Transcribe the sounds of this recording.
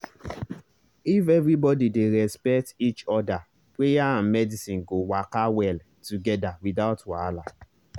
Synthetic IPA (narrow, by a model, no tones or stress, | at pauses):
ifɛvɾibɔdideɾɛspɛk̚tit͡ʃɔda | pwejaãnmɛdisĩnɡowakawɛl | tuɡɛdawidaʊtwala